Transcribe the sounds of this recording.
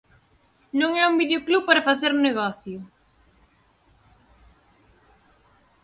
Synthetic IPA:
nõŋɛumbiðeoklupaɾɐfaθeɾneɣɔθjʊ

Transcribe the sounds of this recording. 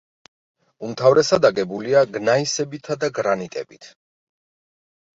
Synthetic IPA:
umt̪ʰavɾɛsad̪aɡɛbuliaɡnaisɛbit̪ʰad̪aɡɾanit̪ʼɛ̰bit̪ʰ

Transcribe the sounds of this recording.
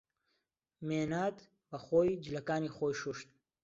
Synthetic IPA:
menad̪ | bɐχojd͡ʒlɐkaːniχoːjʃuʃt̪̚

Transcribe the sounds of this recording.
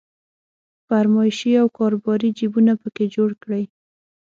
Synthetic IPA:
faɾmɑjʃiawkɑɾobɑɾid͡ʒibunapəked͡ʒoɽkɽəj

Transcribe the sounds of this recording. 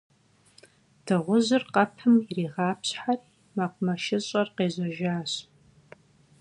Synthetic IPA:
d̥ɨʁʷʊʑɨrqɐpʰɨmiriːʁɑːpʰɕħar | maqʷʼʊmɐʃɪɕʼɐrqeːʑʷɐʒaːɕ

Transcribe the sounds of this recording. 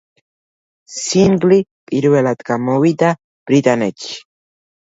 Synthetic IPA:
sinɡlipʼiɾwelat̪kamowit̪a | b̥ɾit̪anet͡ʃi̥

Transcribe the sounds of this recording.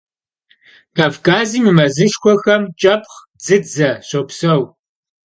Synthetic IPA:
kʰaːvkʰʼaːziːmɨmɐzɨʃxʷɔxɐmt͡ʃʼɐp̚ʰχ | d͡zɨd͡zɐɕɐpsɐw

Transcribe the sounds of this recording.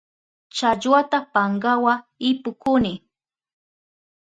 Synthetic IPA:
t͡ʃaʎwat̪apaŋɢawaɪpʊkʊnɪ

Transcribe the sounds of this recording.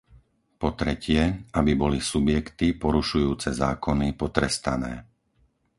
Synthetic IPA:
pɔt̪ɾɛcɪɛabibɔlisubɪjɛkt̪ipɔɾuʃujuːt͡sɛzaːkɔnipɔt̪ɾɛst̪anɛ̰ː

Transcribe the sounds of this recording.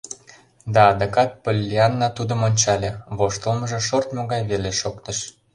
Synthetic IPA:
d̪ɑːd̪əkɑt̪̚pəlʲːiɑnːɑt̪ud̪ə̆monʲt͡ɕɑlʲeβoʃt̪əlˠmə̆ʒĕʃort̪moɣɑjβeleʃokt̪əʃ

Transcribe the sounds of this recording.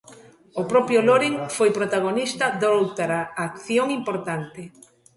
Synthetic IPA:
opɾɔpjʊloɾiŋfojpɾot̪aɣ̞onist̪ɐðowt̪aɾaːkθjoŋimpoɾt̪ant̪ɪ

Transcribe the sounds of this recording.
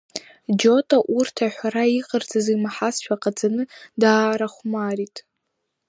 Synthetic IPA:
d͡ʒo̞tʼaʔurtʰaħʷᶣaɾaiqʼərd͡zʼazimaħasʃᶣaqʼad͡zanɨdaːɾaχʷmaritʼ

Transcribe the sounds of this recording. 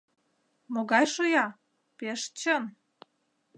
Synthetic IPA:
moɣɑjʃojɑ | peʃt͡ɕən

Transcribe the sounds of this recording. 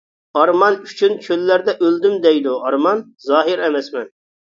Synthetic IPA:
ɑɾmɑnyt͡ʃʰynkʲʰølːæɾd̪ɛʔøld̪ymd̪ɛjd̪uɑɾmɑn | zɑːɦɪɾɛmɛsmɛn

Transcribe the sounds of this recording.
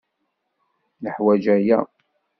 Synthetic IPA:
nəħwæd͡ʒæjæ̰

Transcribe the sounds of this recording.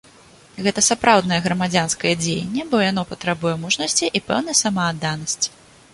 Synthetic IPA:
ɣɛt̪ɐsapɾawd̪nɐjɛɣɾɐmad͡zʲanskɐjɛd͡zʲejḛnʲːɛbɔjan̪ɔpɐt̪ɾabujɛmuʐnɐsʲt͡sʲiʔipɛ̰wnɐjsɐmɐːd̪ːanɐsʲt͡sʲi̥

